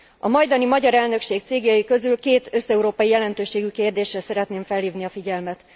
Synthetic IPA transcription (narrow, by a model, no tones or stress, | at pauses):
ɒmɒjd̪ɒnimɒɟɒɾɛlnø̞kʃeːk̚t̪seːɡjɒjikø̞zylkeːt̪ø̞sɛuɾoːpɒjijɛlɛnt̪øːʃeːɡykeːrd̪eːʃrɛsɛɾɛt̪neːɱfɛlhiːvniɒfiɟɛlmɛt̪